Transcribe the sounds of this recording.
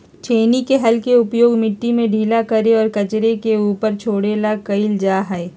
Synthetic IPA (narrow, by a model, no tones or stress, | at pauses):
t͡ʃʰeːnikeɦɐlkeʊpjoːɡmɪʈːimẽɖʱiːlakɐɾeɔːɾkɐt͡ʃɾekeuːpəɾt͡ʃʰoːɽelakɐɪld͡ʒaːɦɛe